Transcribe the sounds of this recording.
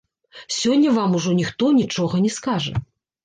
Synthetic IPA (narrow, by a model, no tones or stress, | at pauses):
sʲɔnʲːɐvamuʐɔnʲixt̪ɔnʲit͡ʂɔɣɐnʲɛskaʐɐ̰